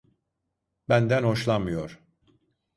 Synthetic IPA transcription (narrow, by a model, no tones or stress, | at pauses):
bænd̪ænho̞ʃlˠanmɯjoɾ̥